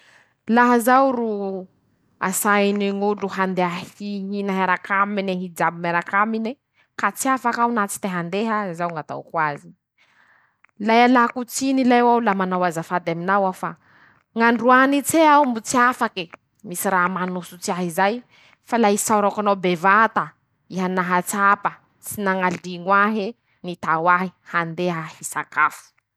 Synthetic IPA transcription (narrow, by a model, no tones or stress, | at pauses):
laɦəzawru | a̰sajniŋuɖ͡ʐuhand̪eahiɦinaɦaɾakamineɦid͡ʒabimeɾakamine | kat͡siafakawnat͡si̥t̪eɦand̪eɦəzawŋat̪a̰wkwazi̥ | lajalakut͡sinilajwawlamanawazafad̪aminawafa | ŋaɳɖ͡ʐuanit͡seawumbut͡siafaki | misiramanusut͡siaɦizaj | falaisawɾakanabevat̪a | iɦanaɦat͡sapə | t͡sinaŋald̪iŋwaɦe | nit̪awaɦihand̪eɦəhisakafu̥